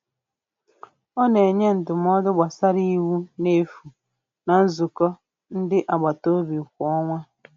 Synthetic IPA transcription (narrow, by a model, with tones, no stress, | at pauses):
ɔ˦ne˨ɲe˦n̩˨tʊ˨m˦ɔ˦dʊ˦ɡ͡ba˨sa˦ɾi˦wu˦ne˦fu˨ | na˨n̩˦zʊ˨kɔ˦ | n̩˦dɪ˦ʔa˨ɡ͡ba˨to˦bi˨kʷɔ˦ŋʷa˦